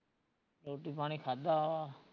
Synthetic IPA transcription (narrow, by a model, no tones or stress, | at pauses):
loːʈiːpaːñiːkʰaːd̪aaː